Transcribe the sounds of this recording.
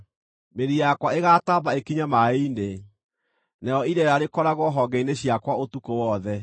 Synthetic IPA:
meɾijakwaeɣaːtaβaekiɲamaine | najɔiɾɛɾaɾekɔɾaɣɔɦɔɡɛineɕjakwaotukowɔðɛ

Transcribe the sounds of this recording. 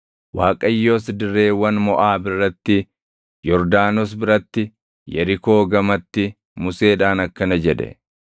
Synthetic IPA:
waːkʼɐjːo̞ːsd̪ɪrːe̞ːwːɐnmɔʔaːbɪrːɐt̪ːɪ | jɔɾd̪aːnɔs̬bɪɾɐt̪ːɪ | jɐɾɪko̞ːɡɐmɐt̪ːɪ | mʊse̞ːᶑaːnɐkːɐnɐd͡ʒɛᶑɛ̰

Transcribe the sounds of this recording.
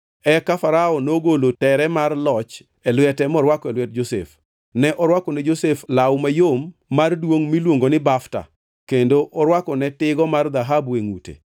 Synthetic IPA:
ɛkafaɾaɔnoɡolotɛɾɛmarlɔt͡ʃ | ɛlwɛtɛmɔɾwakɔɛlwɛt̚d͡ʒosḛf | nɛʔɔɾwakɔnɛd͡ʒoseflawmajomːardwoŋmilwoŋɡonɪbafta̰ | kendoʔɔɾwakɔnɛtɪɡɔmard̪aɦabeŋutḛ

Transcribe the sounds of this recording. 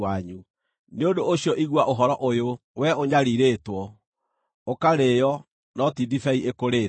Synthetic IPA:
aɲu | neodoːɕiɔʔiɣwaʔoɦɔɾɔʔojowɛoɲaɾiɾeːtwɔ | okaɾeːjɔ | nɔtidifɛiʔekoɾeː

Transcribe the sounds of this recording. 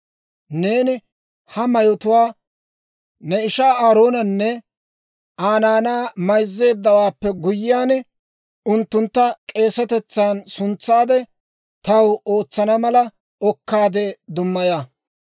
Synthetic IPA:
ne̞ːnɪ | hɐmɐjɔt̪ʊwaː | nɛɪʃaːaːɾo̞ːnɐnːɛ | ʔaːnaːnaːmɐjzːe̞ːd̪ːɐwaːpːɛɡʊjɪjaːn | ʊnt̪ːʊnt̪ːɐkʼe̞ːsɐt̪ɛt͡sːaːnsʊnt͡sːaːd̪ɛ | t̪ɐwoːt͡sːɐnɐmɐlɐ | ɔkːaːd̪ɛd̪ʊmːɐja

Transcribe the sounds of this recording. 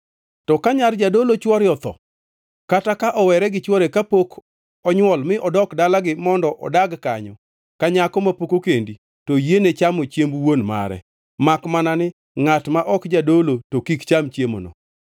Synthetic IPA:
tɔkaɲard͡ʒadolot͡ʃwɔɾjɔt̪ɔ̰ | katakaʔɔwɛɾɛɡɪt͡ʃwɔɾekapok | ɔɲwɔlmɪʔɔdɔkdalaɡɪmɔndɔʔɔ̰daɡkaɲɔ | kaɲakɔmapokokendi | tojenet͡ʃamot͡ʃjembwonma̰ɾɛ̰ | makmananɪ | ŋatmaʔɔkd͡ʒadolotokikt͡ʃamt͡ʃjemo̰nɔ̰

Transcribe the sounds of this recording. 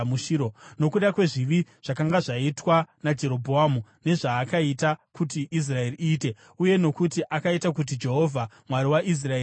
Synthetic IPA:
muʃiɾono̞kuɗakwe̞ʐiʋiʐ̥akaŋɡaʐaitwanad͡ʒe̞ɾo̞bʱoaːmune̞ʐaːkaitakutiʔis̬rae̞riʔiːte̞ | uje̞no̞kutiʔakaitak̬ut̬id͡ʒe̞ɦo̞vʱa | mwaɾiwaʔis̬raeː

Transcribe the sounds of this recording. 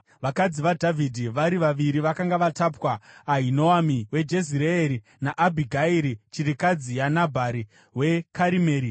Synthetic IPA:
ʋakad͡ziʋadʱavʱidʱiʋaɾiʋaʋiɾiʋakaŋɡaʋatapwaːɦinoamiwe̞d͡ʒe̞ziɾeeɾi | naʔabʱiɡʱaiɾit͡ʃiɾikad͡zijanabʱaɾi | we̞kʰaɾimeːɾi

